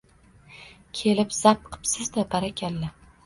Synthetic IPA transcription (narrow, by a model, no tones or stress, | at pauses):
kʲʰe̞lɪpz̥ap̚qʰɨ̥psɪzd̪abaɾakʲʰalːa